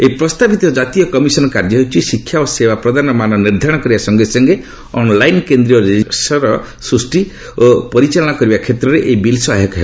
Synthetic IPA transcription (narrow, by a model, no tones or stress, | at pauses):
eipɾɔst̪abit̪ɔd͡ʒat̪ijɔkɔmisɔnɔkaɾd͡ʒɔɦewt͡ʃʰisikʰːjaosewapɾɔd̪anɔmanɔniɾd̪ʱaɾɽ̃ɔkɔɾibasɔŋɡesɔŋɡe | ɔnlajnkend̪ɾiɔɾisɔɾɔ | sɾusʈi | opɔɾit͡ʃalɔɽ̃ɔkɔɾibakʰet̪ɾɔɾeʔeibilsɔaɦekɔɦeba